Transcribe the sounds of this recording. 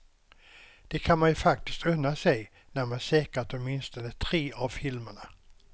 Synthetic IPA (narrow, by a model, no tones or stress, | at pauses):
d̪̥ɛkʰanmanjfak̚t̪ɪ̥st̪ʰœnːasɛj | næɾmansɛːkəʈɔmɪnst̪ɔnət̪ʰɾeːʔavfɪlməɳa